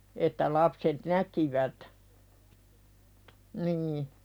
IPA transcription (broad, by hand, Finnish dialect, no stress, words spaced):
etːæ lɑpset nækiʋæt niː